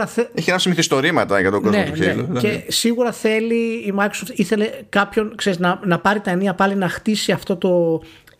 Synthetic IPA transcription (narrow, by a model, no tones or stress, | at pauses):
ɐeeçienɐsimiθist̪o̞ɾimɐt̪ɐʝɐt̪oozneot̪uneelṵce̞siɣuɾɐθe̞liːmɐjkɾosoft̪iθe̞le̞kɐpço̞nkse̞ɾiznɐnɐpɐɾit̪ɐeniɐpɐlinɐxt̪isiɐft̪o̞t̪o̞